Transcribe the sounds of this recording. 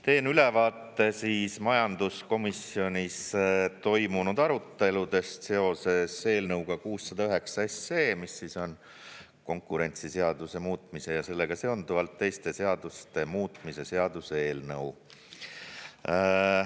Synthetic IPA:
t̪e̞ːnyle̞vɑːt̪ːˑe̞siːsmɑjɑnd̪̥usko̞misio̞nʲist̪o̞jmunud̪̥ɑɾut̪ːe̞lud̪e̞st̪se̞o̞se̞se̞ːlnɤwɡ̥ɑkuːsːɑd̪ɑyɦe̞ksɑese̞ːmisːiso̞n | ko̞ŋkːˑuɾe̞nʲt̪sise̞ɑd̪̥use̞muːt̪ˑmise̞jɑse̞lːeɡ̥ɑse̞ond̪uvɑlt̪ːe̞jst̪e̞se̞ɑd̪̥ust̪e̞muːt̪ˑmise̞se̞ɑd̪̥useeːlnɤw

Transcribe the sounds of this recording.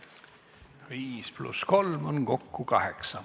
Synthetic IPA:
ʁiːspʰlṵskʰɔlmɔnɡ̥ɔkːuɡ̥ɑheksɐ

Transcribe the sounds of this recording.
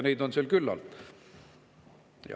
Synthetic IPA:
nejd̪onselkylːɑ̰lt̪ | jɑ̰

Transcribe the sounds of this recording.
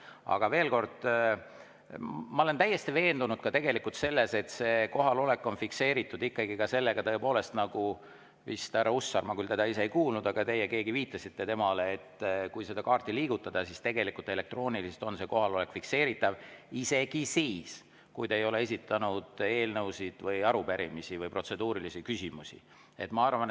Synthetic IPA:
ɑ̰ɡ̥ɑve̞ːlko̞rd̪̥ | mɑo̞lent̪æjːe̞st̪ive̞ːnd̪unud̪̥kɑt̪e̞ɡe̞likult̪se̞lːe̞se̞t̪se̞ːko̞ɦɑlo̞le̞kˑːo̞nfikse̞ːɾit̪ːˑud̪ikːɑɡikɑse̞lːe̞ɡ̥ɑt̪ɤ̞e̞po̞ːle̞st̪nɑɡ̥u | vist̪æɾɑusːɑrmɑkylt̪ed̪̥ɑise̞ejkuːlnud̪̥ɑɡ̥ɑt̪e̞jːeke̞ːɡiviːt̪ːˑɑsit̪ːe̞t̪e̞mɑleːt̪ːkujse̞d̪̥ɑkɑːrt̪ːiliːɡ̥ut̪ːˑɑd̪̥ɑsist̪e̞ɡe̞likult̪e̞le̞k̚t̪ro̞ːniliset̪o̞nse̞ko̞ɦɑlo̞le̞kfikse̞ːɾit̪ːˑɑvise̞ɡ̥isiːs | kujd̪eejo̞le̞e̞sit̪ːˑɑnud̪̥e̞ːlnɤwsid̪̥vɯjɑɾupeɾimisivɯjpro̞t̪se̞d̪uːɾilisikysimusḭ | e̞̰t̪ːmɑɑrvɑn

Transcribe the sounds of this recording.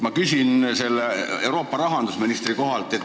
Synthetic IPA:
mɑkysʲinse̞lːee̞wɾo̞ːpːˑɑɾɑɦɑnd̪̥usminist̪riko̞ɦɑlt̪ːˑe̞t̪ː

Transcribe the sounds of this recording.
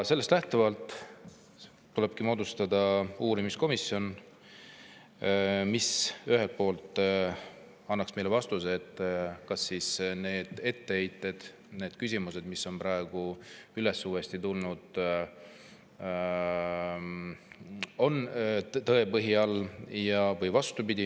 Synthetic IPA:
se̞lːest̪læht̪uvɑlt̪ːˑ | t̪ːule̞b̥̚kimo̞ːd̪ust̪ɑd̪̥ɑuːɾimisko̞misːio̞n | misyɦe̞lt̪̚po̞ːlt̪ːˑ | ɑnːɑksmejlevɑst̪useet̪ːˑkɑsːiːsne̞ːd̪̥e̞t̪ːe̞ejt̪ːˑe̞d̪̥ | neːd̪̥kys̬ʲimuse̞d̪misːo̞npɾɑe̞ɡ̥uyle̞suːest̪it̪ulnud̪̥ | o̞nt̪ɤe̞pɤɦiɑljɑvɤjvɑst̪upid̪̥ʲi

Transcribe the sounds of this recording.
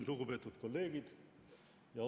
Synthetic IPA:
luɡ̥upe̞t̪ːˑut̪ko̞lːe̞ːɡ̥id̪̥ | jɑ

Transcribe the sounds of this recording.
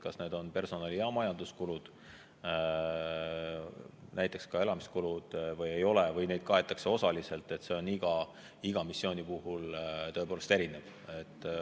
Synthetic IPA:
kɑsne̞ːd̪o̞npe̞rso̞nɑlijɑmɑjɑnd̪uskulud̪̥ | nʔæjt̪ːˑekskɑe̞lɑmiskulud̪̥vɤje̞jo̞levɤjne̞jd̪̥̚kɑe̞t̪ːˑɑkseo̞sɑlise̞lt̪ːˑe̞t̪se̞o̞niɡ̥ɑ | iɡ̥ɑmisːio̞ːnʲipuɦult̪ɤepoːle̞st̪e̞ɾinev̥ | et̪ːˑ

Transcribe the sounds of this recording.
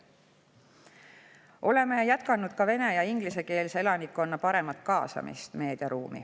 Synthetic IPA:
ʔo̞le̞me̞jæt̪kɑnud̪̥kɑve̞ne̞jɑiŋɡ̥lise̞ke̞ːlsee̞lɑnikːˑo̞nːɑpɑɾe̞mɑt̪ˑkɑːsɑ̰mḭst̪me̞ːd̪̥jɑɾuːmḭ

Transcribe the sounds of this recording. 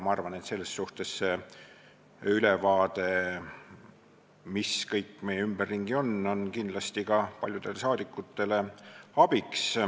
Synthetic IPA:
mɑɑrvɑne̞t̪se̞lːesːuht̪e̞sːe | ylevɑːd̪̥e̞ | miskɤjkˑːme̞jɛymb̥erːiŋɡ̥io̞nːo̞nkind̪lɑst̪ikɑpɑlʲjud̪̥e̞le̞sɑːd̪̥ikːˑut̪ːe̞le̞ɑb̥iks

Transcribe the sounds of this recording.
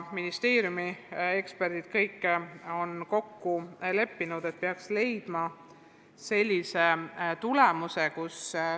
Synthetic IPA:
minist̪e̞ːɾjumie̞kspe̞rd̪̥id̪̥kɤjkːˑeo̞nko̞kːule̞pːinud̪e̞t̪̚peɑksle̞jd̪̥mɑ | se̞lʲːise̞t̪ulemuse̞kus

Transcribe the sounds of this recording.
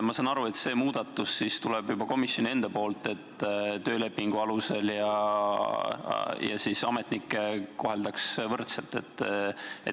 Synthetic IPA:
mɑsɑnɑɾue̞t̪se̞ːmuːd̪̥ɑt̪ːˑusːist̪uleb̥jubɑko̞misjo̞nie̞nd̪̥ɑpo̞ːlt̪ˑe̞t̪ːˑt̪ø̞ːle̞pːiŋɡ̥uɑluse̞ljɑ | jɑ̰sisɑme̞t̪ˑnikːˑeko̞ɦe̞ld̪̥ɑksvɤrt̪selt̪ːˑe̞̰t̪ːˑe

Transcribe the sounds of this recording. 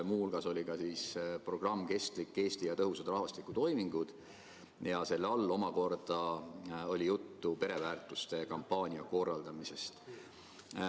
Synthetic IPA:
muːhulɡ̥ɑso̞lʲikɑsiːspro̞ɡ̥rɑmːke̞st̪likːe̞ːst̪ijɑt̪ɤɦusɑd̪rɑhvɑst̪likːˑut̪o̞jmiŋɡ̥ud̪̥ | jɑse̞lːeɑlːo̞mɑko̞rd̪̥ɑo̞lʲijut̪ːupe̞ɾe̞væːrt̪ˑust̪e̞kɑmpːɑːnʲiɑko̞rːɑld̪̥ɑmise̞st̪

